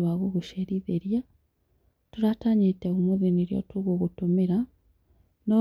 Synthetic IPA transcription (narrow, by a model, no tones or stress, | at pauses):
waɣoɣuʃeɾiðeɾja | tuɾataɲiteɣumuβiniɾjo̰tuɣoɣutumiɾa | no